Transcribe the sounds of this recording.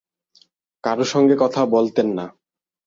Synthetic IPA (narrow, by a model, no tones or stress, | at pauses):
kaɾoʃɔŋɡekɔt̪ʰabolt̪enːa